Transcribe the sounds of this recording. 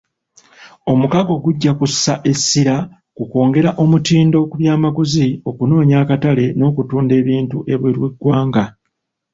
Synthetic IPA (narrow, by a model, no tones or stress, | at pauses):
o̞mukaɡo̞ɡuɟːakusaʔe̞sːiɾa | kuko̞ːŋɡe̞ɾaʔo̞mutiːndo̞ːkuβjaːmaɡuzio̞kuno̞ːɲaːkatale̞no̞ːkutuːnde̞ːβiːntuʔe̞βweɾweɡwaːŋɡa